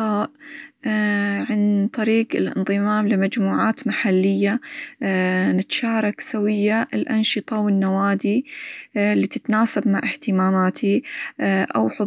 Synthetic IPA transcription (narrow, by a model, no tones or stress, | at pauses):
aːʔʔ | ʕant̪ˤɑɾiːqɪlʔɪ̰nðˤɨmaːmlɪmad͡ʒmuːʕaːt̪maħalːɪjːa | nɪt̪ʃaːɾˤɑksawɪjːaʔɪlʔɑnʃɨt̪ˤɑwɪnːawaːd̪i | lːit̪ɪt̪naːsabma̰ʕɪht̪ɪmaːmaːt̪ʰi | ʔa̰wħʊ